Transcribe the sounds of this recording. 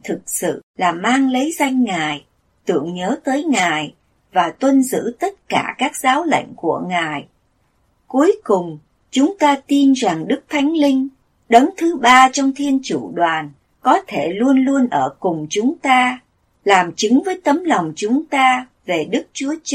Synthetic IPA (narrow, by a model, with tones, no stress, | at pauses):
t̪ʰɨ˨˩k̚sɨ̰˧˨laː˨˩maː˧ŋlə˨˦jza˧jŋ̟ːaː˨˩j | t̪ɨ̰˧˩˨əŋɲəː˨˦t̪əː˨˦jŋaː˨˩j | vaː˨˩t̪wə˧nzɨ̰˧˥t̪ə˦˥t̚kaː˧˩kaː˦˥k̚zaː˨˦wlə̰˧˨jŋ̟ku˧˩əŋaː˨˩j | ku˨˦əjkʊ˨˩ŋ͡m | t͡ɕʊ˨˦ŋ͡mt̪aː˧t̪i˧nza˨˩ŋɗɨ˦˥k̚t̪ʰa˨˦jŋ̟lï˧ŋ̟ | ɗə˨˦nt̪ʰɨ˨˦ɓaː˧t͡ɕɔ˧wŋ͡mt̪ʰi˧ənt͡ɕu˧˩ɗwaː˨˩n | kɔ˨˦t̪ʰe˧˩lu˧ənlu˧ənʔəː˧˩kʊ˨˩ŋ͡mt͡ɕʊ˨˦ŋ͡mt̪aː˧ | laː˨˩mt͡ɕɨ˨˦ŋvəː˨˦jt̪ə˨˦mla˨˩wŋ͡mt͡ɕʊ˨˦ŋ͡mt̪aː˧ | ve˨˩ɗɨ˦˥k̚t͡ɕu˨˦ət͡ɕ